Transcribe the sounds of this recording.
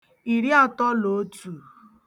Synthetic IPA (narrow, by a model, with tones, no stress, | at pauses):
i˨ɾi˦a˦tɔ˦lo˨˦tu˨